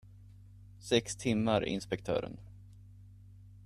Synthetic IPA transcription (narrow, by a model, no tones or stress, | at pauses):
sɛkst̪ʰɪmːaɾɪ̰nspɛkt̪ʰœ̰ːɾə̰n